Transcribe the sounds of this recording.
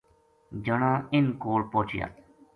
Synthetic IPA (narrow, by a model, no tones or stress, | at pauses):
d͡ʒəɳãːɪnkoːlpoːt͡ʃɪja̰ː